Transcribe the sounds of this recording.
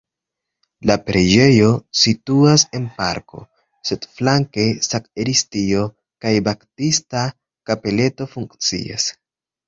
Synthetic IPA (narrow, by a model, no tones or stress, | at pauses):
lapɾe̞d͡ʒe̞jo̞situase̞npa̰ɾko̞̰ | se̞dflaŋke̞sakeɾistio̞ | kajbaktista | kape̞le̞to̞fuŋkt͡sḭa̰s